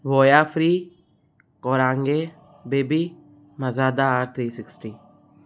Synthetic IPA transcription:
ʋoːjaːfʰɾiː | kɔːɾãːŋɡe | beːbiː | mɐzaːd̪aːɾt̪ʰɾiːsɪksʈiː

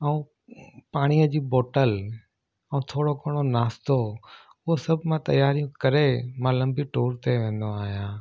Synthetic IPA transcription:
əũː | paːɽ̃ijəd͡ʑiːboːʈəl | əũt̪ʰoːɽokoːɽ̃onaːst̪o | ʊɦosɐbʱmãt̪ɐ̰jaːɾijũkɐɾemãːlɐ̃mbiʈoːɾt̪eʋẽːnd̪oaːɦjãː

